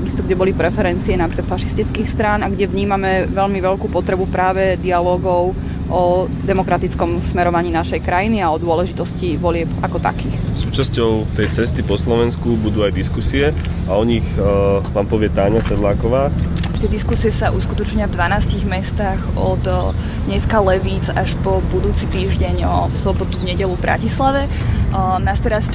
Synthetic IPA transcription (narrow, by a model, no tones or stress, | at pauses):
aɡist̪ɔɡɟɛbɔlipɾɛfɛɾɛnt͡siɛnapɾiklat̪faʃist̪it͡skiːxst̪ɾaːnaɡɟɛʋɲiːmamɛʋɛʎmiʋɛʎkuːpɔt̪ɾɛbupɾaːʋɛd̪ialɔːɡɔʊ | ʔɔ | d̪ɛmɔkɾat̪it͡skɔmsmɛɾɔʋaɲiːnaʃɛjkɾajiniaɔd̪ʊɔlɛʒit̪ɔsciʋɔlɪɛpakɔt̪a̰kiːxsuːt͡ʃascɔʊt̪ɛjt͡sɛst̪ipɔslɔʋɛnskubud̪uːajd̪iskusiɛ | aɔɲixnaːmpɔʋɪɛt̪aːɲasɛd̪laːkɔʋaː | t̪ɪɛd̪iskusiɛsaʔuskut̪ɔt͡ʃɲavd̪ʋanaːsciɣmɛst̪aɣ | ɔ̰d̪ | d̪ɲɛskalɛʋiːd͡zaʃpɔbud̪uːt͡sit̪iːʒɟɛɲfsɔbɔt̪uvɲɛɟɛlubɾa̰cislaʋɛ | nast̪ɛɾas